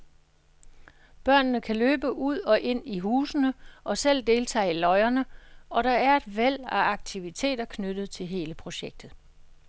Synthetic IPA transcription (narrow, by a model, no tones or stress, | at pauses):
b̥ɶɐ̰nnəkʰæløːb̥əʔuð̰ˠɒ̽ʔe̝n̰iɦuːsənəʔɒ̽sel̰d̥e̝ːlt͡sʰɛ̰ːlɒ̽ɪɐnəɒ̽ɾɑ̈æɐe̝d̥ʋel̰æɑ̈ɡ̥̚t͡sʰiʋit͡sʰe̝̰ːdɐkʰnød̥ð̞̩ˠt͡sʰe̝lɦe̝ːləpʰʁo̝ɕeɡ̥̚d̥ð̞̩ˠ